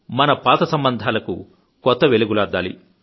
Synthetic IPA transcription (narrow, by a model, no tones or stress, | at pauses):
mɐnɐpaːt̪ɐsɐmbɐnd̪ʱaːlɐkṵ | kɔt̪ːɐʋeliɡulaːd̪ːaːlḭ